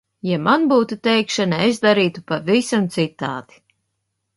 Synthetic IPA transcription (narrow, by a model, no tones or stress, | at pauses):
jamanbuːt̪ut̪ɛjkʃanaezd̪aɾiːt̪upavisamt̪sit̪aːd̪̥i̥